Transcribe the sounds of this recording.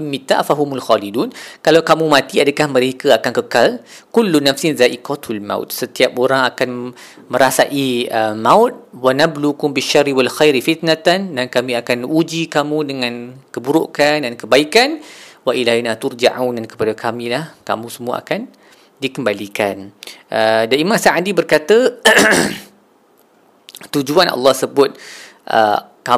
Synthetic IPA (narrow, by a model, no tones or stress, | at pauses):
mit̪a̰ʔfaɦumulxalidunkalawkamũmãt̪iadakahməɾekaakankəkal | kulːunafsɪnzaʔikat̪alma̰wt̪̚sət̪iapoɾaŋakan | mə̃ɾasaʔiəmawt̪̚wanablukʊmbiʃːarːiwalxajɾifit̪̚nat̪andankamĩakanud͡ʒikamũdəŋãnkəbuɾṵʔkandankəbaikanwaʔilanat̪uɾd͡ʒaʕawndankə̥padakamĩlahka̰mũsəmũaʔa̰kan | dikəmbalikanʔədaimãsaʔadibərkat̪ə | t̪ud͡ʒuanʔɑ̰lːɑhsəbʊt̪̚ | ʔə̰ | ka